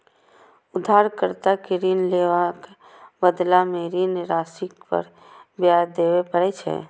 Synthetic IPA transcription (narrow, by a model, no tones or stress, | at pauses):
ʊd̪ʱaːɾkəɾt̪akeɾinleːʋak | bəd̪lameɾinɾaːsɪkpə̰ɾ | bjaːɾd̪eːwepəɾɛt͡ʃʰɛ̰ː